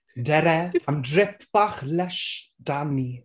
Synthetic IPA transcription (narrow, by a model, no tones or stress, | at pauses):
dɛɾɛamdrɪpʰb̥aχlɛʃ | d̥ani